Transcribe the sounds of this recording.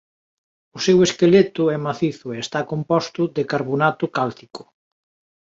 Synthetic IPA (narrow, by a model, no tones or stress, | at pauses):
ʊseweskelet̪ʊɛmaθiθʊeest̪akompɔst̪ʊd̪ekaɾβonat̪ʊkalt̪ikʊ̥